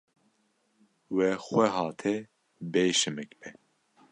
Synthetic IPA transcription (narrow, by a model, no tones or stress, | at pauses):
wɛxʷɛɦɑːt̪ʰɛ | beːʃɨmɨkbɛ